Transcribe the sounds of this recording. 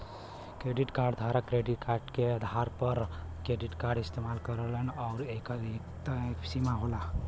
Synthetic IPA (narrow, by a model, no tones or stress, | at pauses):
kɾeːɖiʈkaːɾɖd̪ʱaːɾakɾeɖiʈkaːɾɖkeəd̪ʱaɾpəɾkɾeɖɪʈkaːɾɖɪst̪eːmalkəɾələnɔːɾeːkaikt̪simaɦola